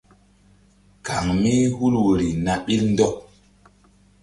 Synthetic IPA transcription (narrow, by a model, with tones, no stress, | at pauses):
ka˨ŋmi˦hu˦lwo˨ɾi˨na˨ɓi˦ln˦dɔ˦k̚